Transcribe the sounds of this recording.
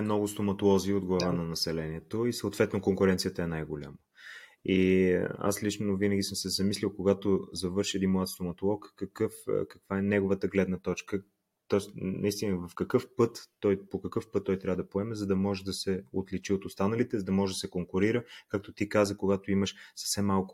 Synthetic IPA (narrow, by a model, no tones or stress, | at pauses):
ɛmnɔɡʊst̪omɐt̪olˠɔziːod̪ɡlˠɐvanɐnɐsɛlɛniɛt̪oisəot̪vɛt̪nokoŋkʊɾɛnt̪sijət̪əɛnajɡolʲa̰mə | ia̰slit͡ʃnovinəɡʲisəmsɛzɐmislʲilˠkoɡat̪ozɐvɤɾʃiɛd̪inmlˠat̪st̪omɐt̪olˠɔkkɐkɤfkɐkv̥aɛnɛɡovət̪əɡlɛd̪nət̪ɔt͡ʃkə | t̪ɔsnʔɐist̪inəvɐfkɐkɤfpɤt̪ːɔjpokɐkɤfpɤt̪ːɔjt̪ɾavəd̪ɐpoɛmɛzɐd̪ɐmɔʒɛd̪ɐsɛot̪lɛt͡ʃiot̪ʊst̪anɐlit̪ɛzɐd̪ɐmɔʒɛd̪ɐsɛkoŋkʊɾiɾəkak̚t̪ot̪ikazəkoɡat̪oiməʃsɐ̥fsɛmːalˠkʊ̥